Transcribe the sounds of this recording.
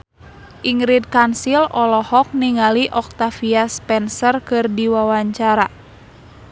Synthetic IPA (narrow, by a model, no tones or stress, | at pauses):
ʔiŋɾid̚kansilɔlɔhɔk̚niŋaliʔɔk̚t̪afiaspɛnsərkɨrdiwawaɲt͡ʃaɾa